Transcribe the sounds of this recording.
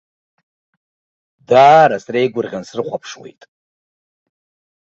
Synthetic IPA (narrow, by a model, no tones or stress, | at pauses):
daːɾasrejɡʷʊrʁʲansrɨχʷapʰʂwḛjtʼ